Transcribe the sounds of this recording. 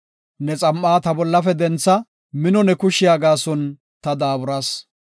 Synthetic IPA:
nɛt͡sʼɐmʔːaːt̪ɐbɔlːɐfɛd̪ɛnt͡sːɐ | mɪnɔnɛkʊʃɪjaːɡaːsɔn | t̪ɐd̪aːbʊɾɐs

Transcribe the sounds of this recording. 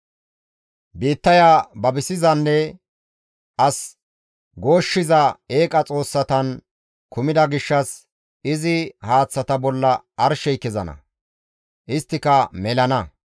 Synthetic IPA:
biːt̪ːɐjaːbɐbɪsɪzɐnːɛ | ʔɐs | ɡo̞ːʃːɪzɐe̞ːkʼɐt͡sʼo̞ːsːɐt̪ɐn | kʊmɪd̪ɐɡɪʃːɐs | ɪzɪhaːt͡sːɐt̪ɐbɔlːɐʔɐɾʃɛjkːɪzɐnɐ̰ | ʔɪst̪ːɪkɐmɛlɐnɐ

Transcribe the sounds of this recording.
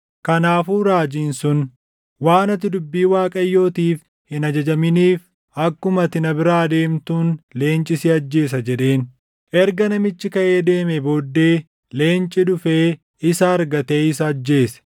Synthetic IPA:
kɐnaːfuːɾaːd͡ʒiːnsʊn | waːnɐt̪ɪd̪ʊbːiːwaːkʼɐjːo̞ːt̪iːf | hɪnɐd͡ʒɐd͡ʒɐmɪniːf | ɐkːʊmɐt̪ɪnɐbɪɾaːd̪e̞ːmt̪uːnle̞ːnt͡ʃʼɪsɪɐd͡ʒːe̞ːs̬ɐd͡ʒɛᶑe̞ːn | ʔɛɾɡɐnɐmɪt͡ʃːɪkɐʔe̞ːd̪e̞ːmɛbo̞ːd̪ːe̞ː | le̞ːnt͡ʃʼɪd̪ʊfeː | ɪsɐɐɾɡɐt̪e̞ːɪsɐːd͡ʒːe̞ːsɐ̥

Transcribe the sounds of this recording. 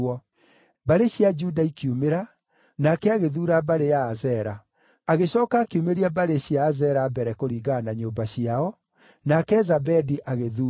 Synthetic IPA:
ɔ | baɾeɕiad͡ʒudaikiumeɾa | nakɛaɣeðuːɾabaɾejaːzɛɾaː | ɣeɕɔːkaːkiumeɾiabaɾeɕiaːzɛɾabɛɾɛkoɾiːɣaːnaɲoːmbaɕiaɔ | nakɛzabɛdiʔaɣeðuː

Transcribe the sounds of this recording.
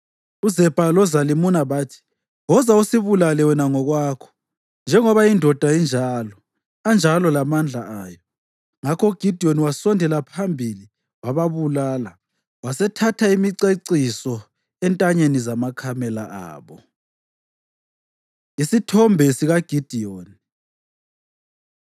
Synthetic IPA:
uzɛb̥ʱalɔzalimunaβatʰi̥ | ɔzausiβulalɛwɛnaŋɔɣwaːkʰɔ̥ | nd͡ʒʱɛŋɔβaindʱɔd̥ʱaind͡ʒʱalɔ | and͡ʒʱalɔlamand͡ɮʱaaːjɔ | ŋakʰɔuɡ̥ʱidʱiɔniwasɔndʱɛlapʰambʱili | waβaβulaːla | wasɛtʰatʰaimiǀeǀisɔ | ɛntʼaɲenizamakʰamɛla̰a̰ːβɔ | isitʰɔmbʱɛsiɣaɡ̥ʱid̥ʱioːni

